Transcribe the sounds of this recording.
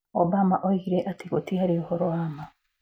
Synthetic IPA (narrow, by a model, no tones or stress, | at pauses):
ɔbamaʔoiɾeʔatiɣotiaɾihɔɾoaːma